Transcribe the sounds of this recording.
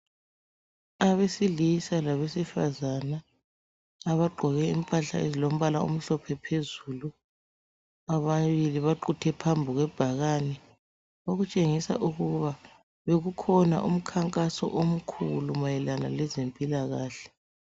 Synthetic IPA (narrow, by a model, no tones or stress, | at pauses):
aβesilisalaβesifazana | aβaɡ͡ǃʱɔɣɛimpʼaɬa̰ezilom̩βalaṵm̩ɬɔpʰɛpʰezuːlu | aβaβiliβaǃutʰɛpʰambʱiɣwɛb̥ʱaɣaːnɛ | oɣut͡ʃʼeŋisa̰ʔuɣuβa | βeɣukʰɔna̰ʔum̩kʰaŋkʼasɔ̰ʔom̩kʰulumajɛlanalɛzempʼilaɣaːɬɛ̥